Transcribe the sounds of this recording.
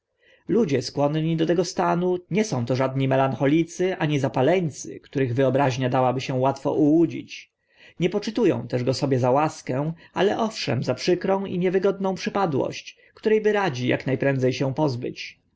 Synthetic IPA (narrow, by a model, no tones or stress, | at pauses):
lud͡ʑɛskwɔnɲid̪ɔt̪ɛɡɔst̪anuɲɛsɔ̃w̃t̪ɔʐad̪ɲimɛlaŋxɔlʲit̪sɘʔaɲizapalɛɲt̪sɘ̰kt̪uɾɘɣvɘɔbɾaʑɲad̪awabɘɕɛ̃wat̪fɔ̰ʔuwud͡ʑḭt͡ɕ | ɲɛpɔt͡ʂɘt̪ujɔ̰̃w̃t̪ɛʐɡɔsɔbʲjɛzawaskɛw̃alɛʔɔfʂɛ̰mzapʂɘkɾɔ̃w̃ḭɲɛvɘɡɔd̪nɔ̃w̃pʂɘpad̪wɔ̰ɕt͡ɕ | kt̪uɾɛjbɘɾad͡ʑija̰knajpɾɛ̃nd̪zɛjɕɛ̃pɔzbɘ̰t͡ɕ